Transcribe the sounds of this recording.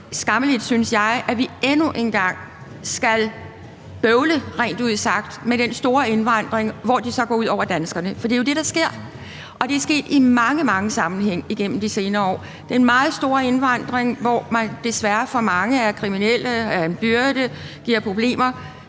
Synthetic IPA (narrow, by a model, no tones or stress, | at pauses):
sɡ̥ɑ̈məlid̥synsjɑ̈ɪʔæʋienuʔe̝nɡ̥ɑ̈ŋ̰ | sɡ̥æl | b̥øʊləʁɛ̰ːnd̥uð̞̰ˠsɑ̈ɡ̥̚d̥meɾ̥ensd̥o̝ːɐe̝nʋɑ̈n̰d̥ʁeŋʋɒd̥isɒ̽ɡ̥ɒ̰ːuð̰ˠɒ̰ʊ̰ɐd̥ænsɡ̥ɐnəfɒd̥ḭjo̝d̥e̝ɾ̥ɑ̈sɡ̥e̝ɐ̰ | ʔɒ̽d̥e̝sɡ̥e̝̰ːd̥imɑ̈ŋəmɑ̈ŋəsɑ̈mn̩heŋ̰iɡ̥en̰m̩d̥ise̝ːnɐːɒ̰ː | d̥enmɑ̈ːð̩ˠsd̥o̝ːɐe̝nʋɑ̈n̰d̥ʁeŋʋɒ̰mænd̥e̝sʋæɐfɒ̽mɑ̈ŋəæɐkʰʁiminel̰əelɐenb̥yɐd̥əɡ̥iɐ̰pʰʁo̝b̥le̝̰ːmɐ